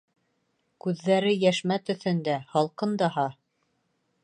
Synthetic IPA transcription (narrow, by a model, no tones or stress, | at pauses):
kʉðːæɾɘjæʃmæt̪ɵ̆θɵ̆nd̪æhɑlˠqɤnd̪ɑɦɑ